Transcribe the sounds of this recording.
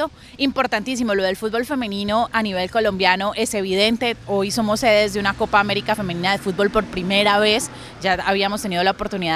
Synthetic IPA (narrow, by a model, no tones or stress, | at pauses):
o | impo̞ɾt̪ant̪is̬imo̞lo̞ð̞e̞lfut̪bo̞lfe̞menĩno̞ʔaniβe̞lko̞lo̞mbjano̞ʔe̞se̞β̞iðe̞nt̪e̞o̞jso̞mose̞ðezd̪eunako̞paːme̞ɾikafe̞mẽninaðe̞fut̪̚bo̞lpo̞ɾpɾime̞ɾaβe̞s | d͡ʒaaβiamost̪eniðo̞laopo̞ɾt̪uniða